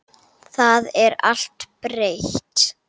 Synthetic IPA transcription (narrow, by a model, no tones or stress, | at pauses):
θaðɛɾa̰l̥t̪pɾejçt̪